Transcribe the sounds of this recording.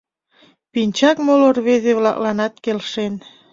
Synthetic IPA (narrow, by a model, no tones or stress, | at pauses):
pinʲt͡ɕɑkmolorβezeβlɑ̰klɑnɑt̪̚kelʃen